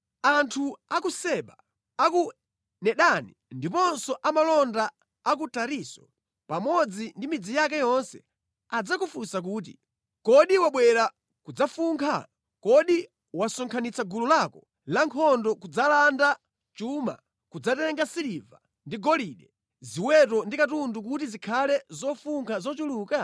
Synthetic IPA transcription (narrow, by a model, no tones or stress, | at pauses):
antʰuakusɛɓa | aku | nɛɗanindipɔnsɔʔamalɔndaː | k̬utaɾiːsɔ | pamɔd͡zindimid͡zijakajɔnsɛ | ad͡zakufunsak̬uːt̬i | kɔɗiwaɓwɛɾa | kud͡zafuŋkʰa̰ | kɔɗi | wasɔŋkʰanit͡saɡululakɔ | laŋkʰɔndɔkud͡zalanda | t͡ʃuma̰ | kud͡zatɛŋɡasiliva̰ | ndiɡɔliɗɛ | ziwɛtɔndikatunduk̬utizikʰalɛzɔfuŋkʰazɔt͡ʃuluːka